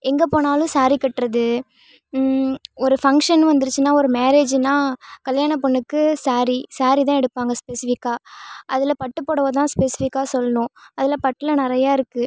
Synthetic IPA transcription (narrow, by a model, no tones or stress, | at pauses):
ɛŋɡɐpoːnaːlʊ̃saːɾikːɐʈːɾɐðɯ | ɔɾɯfɐŋkʂɐnʋɐnd̪ɯɾɯt͡ʃːɯnaːɔɾɯmeːɾeːd͡ʒnaːkɐljaːɳɐpːɔɳːɯkːɯsaːɾisaːɾit̪ãːɛɽɯpːaːŋɡɐspesɪfɪkːaːʔɐðɪlɐpɐʈːɯpːoːɽɐʋɐt̪̬ãːspesɪfɪkːaːsɔlːɐnʊ̃ɐðɪlɐpɐʈːɪlɐnɪɾɐjaːɪɾɯkːɯ